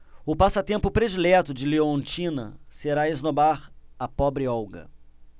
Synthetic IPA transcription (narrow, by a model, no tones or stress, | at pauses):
ʊpasɐt̪ẽmpʊpɾed͡ʒilɛt̪ʊd͡ʒɪleõnt͡ʃĩnɐ̰seɾaeznobaɾɐpɔbɾɪɔwɡɐ̰